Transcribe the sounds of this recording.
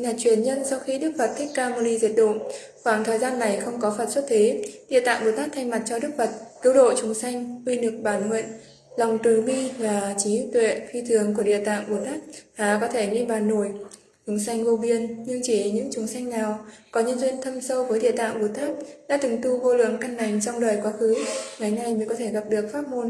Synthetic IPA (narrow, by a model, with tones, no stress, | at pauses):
ɲaː˨˩t͡ɕwi˧˩ənɲə˧nsɔ˧wxi˧ɗɨ˦˥k̚və˨˩t̚t̪ʰï˦˥k̚kːaː˧mo˧li˧zi˨˩t̚ɗo̰˧˨n | xwaː˧˩ŋt̪ʰəː˨˩jzaː˧nːa˨˩jxə˧wŋ͡mkɔ˨˦fəː˨˩t̚swə˦˥t̚t̪ʰe˨˦ɗḭ˧˨t̪a̰ː˧˨ŋɓo˨˩t̪aː˦˥k̚t̪ʰa˧jŋma˨˩t̚t͡ɕɔ˧ɗɨ˦˥ək̚və˨˩t̚ki˨˦wɗo̰˧˨jt͡ɕʊ˨˦ŋ͡msa˧jŋ̟kwi˧nɨ˨˩ək̚ɓaː˧˩nhwḛ˧˨n | la˨˩wŋ͡mt̪ɨ˨˩ɓi˧vaː˨˩t͡ɕi˨˦t̪wḛ˧˨fi˧t̪ʰɨ˨˩˦əŋku˧˩əɗḭ˧˨ət̪a̰ː˧˨ŋɓo˨˩t̪aː˦˥k̚haː˨˩kɔ˨˦t̪ʰe˧˩ŋi˧ɓaː˨˩nːo˧˩j | t͡ɕʊ˨˦ŋ͡msa˧jŋ̟vo˧vi˧ənɲɨ˧ŋt͡ɕi˧˩˨ɲɨ̰˧˥ŋt͡ɕʊ˨˦ŋ͡msa˧jŋ̟naː˨˩wkɔ˨˦ɲɨ˧ənzwi˧ənt̪ʰə˧msə˧wvəː˨˦jɗḭ˧˨ət̪a̰ː˧˨ŋɓu˧˩t̪aː˦˥k̚ɗa̰ː˧˥t̪ɨ˨˩ŋt̪u˧vo˧lɨ̰˧˨əŋka˧nːa˨˩jŋ̟t͡ɕɔ˧wŋ͡mɗəː˨˩jkwaː˨˦xɨ˨˦ŋa˨˩jna˧jmə˨˦ŋkɔ˨˦t̪ʰe˧˩ɣa˨˩p̚ɗɨ˨˩ək̚faː˦˥t̚mo˧n